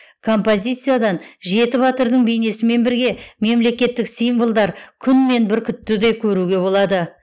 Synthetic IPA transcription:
kʰo̞mpo̞zʲijt̪sɨjad̪ɑnʒe̞t̪ɪβat̪əɾd̪əɴbejne̞sɪme̞nbɪɾɡʲe̞me̞mle̞tʲkʲe̞t̪ːɪksijnvəlˠd̪ɑɾkʲʰʏnme̞nbɪɾkʲʰʏt̪ːɪd̪ejkʲʰɵɾuɡʲe̞bo̞lˠɑd̪ə

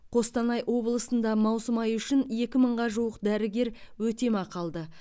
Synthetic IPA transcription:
qʰo̞st̪ɑnɑjwo̞blˠəsənd̪ɑmɑwsəmɑjʏʃɪne̞kʲɪməɴʁɑʒuwəqd̪æɾɪɡʲe̞ɾwɵt̪e̞mɑqʰɑlˠd̪ə

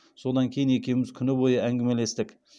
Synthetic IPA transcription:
so̞d̪ɑŋkʲʰe̞jɪne̞kʲe̞wɪmɪz̥kʲʰʏnɪbojəæŋɡʲɪmele̞st̪ɪkʲ

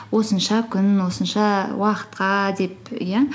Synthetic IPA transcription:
wo̞sənʃɑkʲʰʏnwo̞sənʃɑwɑqə̥t̪qɑd̪e̞pja

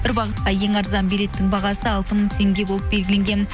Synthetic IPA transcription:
b̥ɪɾbɑʁət̪̚qɑje̞ŋɑɾzɑnbijɾe̞t̪ːɪŋbɑʁɑsəɑlˠt̪əməɴt̪ʰe̞ŋɡʲe̞bo̞lˠəp̚be̞lɡʲɪle̞ŋɡʲen

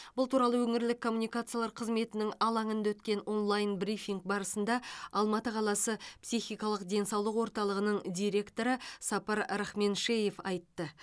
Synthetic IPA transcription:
b̥ʊlˠt̪ʰuɾɑlˠəwɵŋɪɾlɪkʰːo̞mːunijkat̪sɨjalˠɑɾqʰəzme̞t̪ɪnɪŋɑlˠɑɴənd̪ɑwɵt̪kʲe̞no̞nlˠajnbrifiŋk̚bɑɾəsənd̪ɑɑlˠmɑt̪əqʰɑlˠɑsəpsiχijkɑlˠəqd̪e̞nsɑwlˠəqwo̞ɾt̪ɑlˠəʁənəɴd̪ʲijɾe̞kt̪o̞ɾəsɑpɑɾɾaχme̞nʃeje̞fɑjt̪ːə

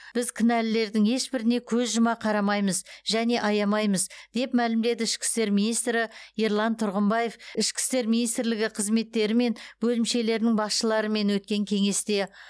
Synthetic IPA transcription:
b̥ɪzkʲʰɪnælɪle̞ɾd̪ɪŋe̞ʃbɪɾɪne̞kʲʰɵzʒʊmɑqʰɑɾɑmɑjməzʒæne̞ʔɑjɑmɑjməzd̪̥e̞pmælɪmd̪e̞d̪ɪɪʃkʲɪ̥st̪e̞ɾminijst̪ɾɪiɾlˠɑnt̪ʰʊɾʁəmbɑje̞fɪʃkʲɪ̥st̪e̞ɾminijst̪ɪɾlɪɡʲɪqʰəzme̞t̪ːe̞ɾɪme̞nbɵlɪmʃe̞le̞ɾnɪŋbɑsʃəlˠɑɾəme̞nwɵt̪̚kʲe̞ŋkʲʰe̞ŋe̞st̪e̞

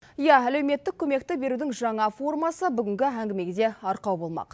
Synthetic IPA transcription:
ijɑæle̞wme̞t̪ːɪkʲʰɵme̞k̚t̪ɪbe̞ɾud̪ɪŋʒɑɴɑfo̞rmɑsəbʏɡʲɪŋɡʲɪæŋɡʲɪme̞ɡʲed̪e̞ɑɾqɑwbo̞lˠmɑ̰q

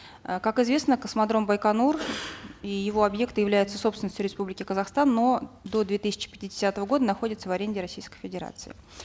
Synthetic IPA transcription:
əkakɪzvʲe̞snəkəsmɐd̪ɾo̞mbəjkɐnur | ijɪvo̞ɐbje̞kt̪ɨjɪvlʲæjɪt̪səsopsvʲɪnsʲtʲʊɾʲɪspublʲɪkʲɪkəzɐxst̪anːo̞d̪o̞d̪vʲe̞t̪ɨsʲɪ̥t͡ɕɪ̥pʲɪ̥tʲɪdʲɪsʲat̪əvəɡo̞d̪ənɐxo̞dʲɪt̪səvɐɾʲenʲdʲɪɾɐsʲijskəjfʲɪdʲɪɾa̰t̪sɨɪ̰

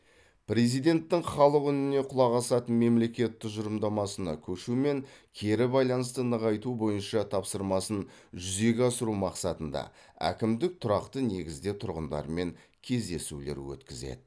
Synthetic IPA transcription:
pre̞zijd̪e̞nt̪ːɪŋχɑlˠəqʏnɪne̞qʰʊlˠɑʁɑsɑt̪ənme̞mle̞kʲe̞t̪ːɪkʒʊɾəmd̪ɑmɑsənɑ̰kʲʰɵʃume̞ŋkʲʰe̞ɾɪbɑjlˠɑnəst̪ənəʁɑjt̪ubo̞jənʃɑt̪ʰɑpsəɾmɑsənʒʏze̞ɡʲɑsəɾumɑqsɑt̪ənd̪ɑ̰ | æ̰kʲɪmd̪ɪk̚t̪ʰʊɾɑqt̪əne̞ɡʲɪzd̪et̪ʰʊɾʁənd̪ɑ̰ɾəme̞ŋ | kʲʰe̞zd̪e̞sṵle̞̰ɾwɵ̰t̪kʲɪzḛd̪ɪ

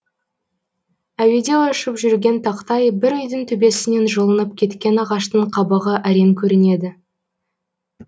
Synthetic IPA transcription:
æwe̞d̪e̞wɑʃəpʒʏɾɡʲe̞nt̪ʰɑqt̪ɑjbɪɾʏjd̪ɪŋt̪ʰɵbe̞sɪne̞nʒəlˠənəp̚kʲʰe̞t̪kʲe̞nɑʁɑʃt̪əɴqʰɑbɑʁəʔæɾe̞ŋkʲʰɵɾɪne̞d̪ɪ

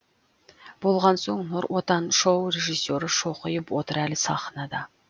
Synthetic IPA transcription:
b̥olˠʁɑnsoŋnoɾwʔot̪ɑnʃowreʒisːjoɾəʃoqəjəpwot̪əɾælɪsɑχənɑd̪ɑ

